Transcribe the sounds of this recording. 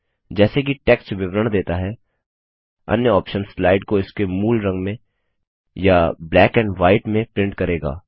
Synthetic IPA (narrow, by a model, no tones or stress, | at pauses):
d͡ʒɛːsek̬iʈɛːkst͡ʃʋɪbɾəɽ̃d̪eːt̪aɦɛ | ɐ̰njəɔːpʃənslaːɪɖkoɪskemuːlɾɐ̃ŋɡmẽ | jablɛːkɛ̃ːɳɖʋaːɪʈmẽpɾɪ̃ɳʈkɐɾeːɡa̰ː